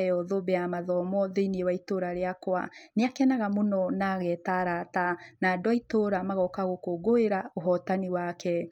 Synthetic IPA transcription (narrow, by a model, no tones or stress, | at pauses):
ɛɔðobɛamaðɔmɔðeiniewaitoɾaɾeakwa̰neakɛnaɣamonɔnaɣɛtaɾatanadwaitoɾamaɣɔkaɣokoɡoeɾaoɦɔtaniwakʰɛ